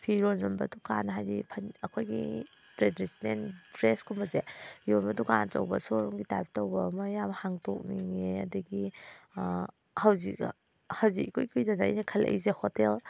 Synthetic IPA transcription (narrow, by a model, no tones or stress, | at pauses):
pʰiɾonɔnbɐ̰dukanɦajzipʰanɐkʰojɡḭ | tɾedɾisnendɾeskʰumbɐzepʰiɾonbɐduka̰nto̰wbɐ̰soɾɔŋɡitajp̚towbɐmɐjabɐhaŋtʰok̚niŋeɐ̰dɐɡi | hɐwzik̚ | hawzikkujkʰujdanajnɐkʰɐlʔḛjzehotel